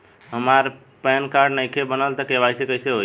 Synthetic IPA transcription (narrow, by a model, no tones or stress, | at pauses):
ɦəmaɾ | pɛnkaɾɖnəjkʰebənəlt̪əkeβajsekəiseɦo